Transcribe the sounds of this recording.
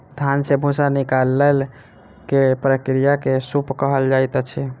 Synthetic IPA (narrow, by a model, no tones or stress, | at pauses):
st̪ʰansebʱusanikalːel | kepɾəkɾijakesupkəɦəld͡ʒajt̪ət͡ʃʰɛ